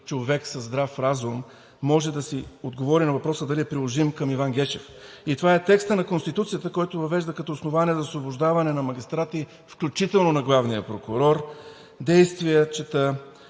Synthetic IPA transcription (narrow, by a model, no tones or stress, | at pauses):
t͡ʃovɛksɐzd̪ɾafɾazumː | ɔʒɛd̪ɐsiod̪ɡovɔɾinɐvɐpɾɔsəd̪ɐliɛpɾilˠoʒimkɐmivanɡʲɛt͡ʃɛf | it̪ovaɛt̪ɛkst̪ənɐkonst̪it̪ut̪sijət̪əkɔjt̪ʊvɐvɛʒd̪əkɐt̪ɔʊsnovaniɛzɐsvobʊʒd̪avɐnɛnɐmɐɡʲist̪ɾat̪i | fklʲut͡ʃit̪ɛlˠnonɐɡlˠavnijəpɾokʊɾɔɾ | d̪ɛjst̪vijət͡ʃɛt̪ə